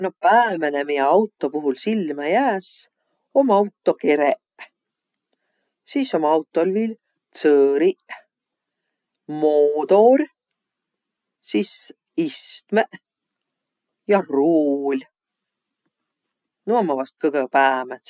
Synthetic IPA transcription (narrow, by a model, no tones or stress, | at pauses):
no̞pæːmenemijeɑwt̪ːˑo̞puɦulsilmɑjæːs | o̞mɑwt̪ːˑo̞keɾeʔ | siso̞mɑwt̪ˑːo̞lvil | t̪sɤːɾi | moːd̪o̞ɾ | sis | ist̪meʔ | jɑruːlʲ | nuɑmːɑvɑst̪̚kɤɡ̥epæːmet̪